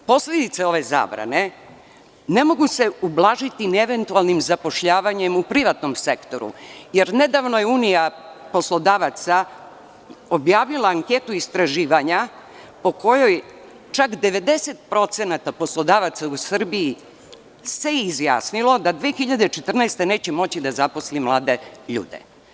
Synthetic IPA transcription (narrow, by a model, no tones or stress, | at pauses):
po̞sled̪it̪seo̞ʋeza̰ːbɾa̰ne̞ | ne̞mo̞ɡuse̞ublˠaːʒit̪ineʋe̞nt̪ualˠnimzapo̞ʃʎaːʋaɲe̞mupɾiʋat̪no̞mse̞kt̪o̞ɾṵje̞ɾne̞d̪aːʋnojeuːnijapo̞slˠo̞d̪aːʋat̪sa | o̞bjaːʋilaːŋke̞t̪uist̪ɾaʒiːʋaɲa | po̞ko̞jo̞j | t͡ʃakd̪e̞ʋe̞d̪e̞set̪̚pɾo̞t̪se̞nat̪apo̞slˠo̞d̪aːʋat̪sausr̩biji | se̞izja̰ːsnilˠo̞d̪ad̪ʋeːxiʎad̪et͡ʃe̞t̪r̩nɛst̪e̞ne̞ːt͡ɕemo̞t͡ɕid̪azapo̞slimlˠaːd̪e̞ʎṵːd̪ḛ